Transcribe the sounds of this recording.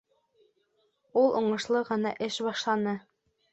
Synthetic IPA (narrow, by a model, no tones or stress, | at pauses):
ulˠʔuɴɤ̆ʃlˠɤʁɤ̆nɑ̰ʔɘʃbɑʃlˠɑnɤ